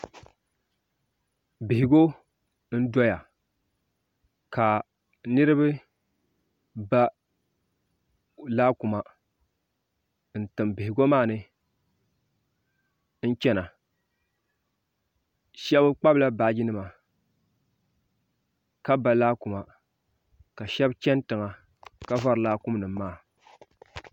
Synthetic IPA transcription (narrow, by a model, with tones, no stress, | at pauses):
bɪ˨hɪ˨ɡo˦ | n̩˦dɔ˦ja˨ | ka˨ | nɨ˦ɾɨ˦bɨ˦ | ba˦ | laː˦ku˨ma˨ | n̩˨tɨ˨mbɪ˨hɪ˨ɡo˦maː˦˨nɨ˦ | n̩˦t͡ʃɛ˦na˨ | ʃɛ˦bɨ˦k͡pa˦bla˦baː˨˦ɡi˦nɨ˦ma˨ | ka˦ba˦laː˦ku˨ma˨ | ka˨ʃɛ˦bt͡ʃɛ˦ntɨ˨ŋa˨ | ka˦va˦ɾɨ˨laː˦kʊ˦mnɨ˨mːaː˦˨